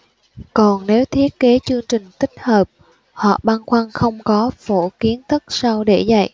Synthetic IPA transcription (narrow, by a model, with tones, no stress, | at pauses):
kɔ˨˩nne˨˦wt̪ʰi˦˥ət̚ke˨˦t͡ɕɨ˧əŋt͡ɕï˨˩ŋ̟t̪ï˦˥k̟̚həː˨˩p̚ | hɔ̰˧˨ɓa˧nxwa˧nxə˧wŋ͡mkɔ˨˦fo˧˩ki˨˦ənt̪ʰɨ˦˥k̚sa˧wɗe˧˩za̰˧˨jʔ